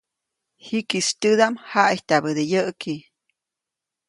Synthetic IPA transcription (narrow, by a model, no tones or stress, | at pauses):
hikist̪ɨd̪amhaʔiht̪abəd̪ejəʔki